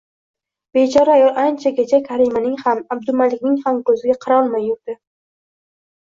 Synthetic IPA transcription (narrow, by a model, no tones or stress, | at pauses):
b̥et͡ʃʰɒɾaajɒlˠʔant͡ʃʰaɡʲet͡ʃʰakʲʰaɾimanɪŋhamab̚d̪ʊmalɪkʲnɪŋhamkʰɵzɪɡʲaqʰɑɾaɒlˠmajːʊɾd̪̥ɪ